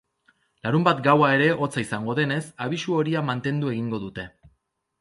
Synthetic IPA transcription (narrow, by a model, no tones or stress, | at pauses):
laɾumbat̪ɡawae̞ɾe̞ʔo̞t͡saisaŋɡo̞ðe̞ne̞saβ̞isuo̞ɾiamant̪e̞nd̪ue̞ɣ̞iŋɡo̞ðut̪e̞